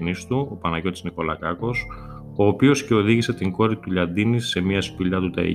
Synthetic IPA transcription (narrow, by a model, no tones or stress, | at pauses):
nist̪uopɐnɐʝo̞t̪izniko̞lɐkɐko̞s | o̞ːpio̞sce̞o̞ðiʝise̞t̪iŋɡo̞ɾit̪uʎɐnd̪inise̞miɐspiʎɐt̪ut̪ɐḭ